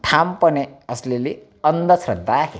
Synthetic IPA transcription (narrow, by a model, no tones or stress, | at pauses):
ʈʰampʌneʌslele | ʌnd̪ʌsʰrʌd̪akʰe